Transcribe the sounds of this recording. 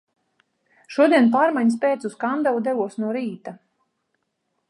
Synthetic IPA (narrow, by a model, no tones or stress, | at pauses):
ʃuɔd̪iɛnp̬aːɾmajɲs̬pɛːt̪suskand̪awud̪ɛvuɔsnuɔɾiːt̪a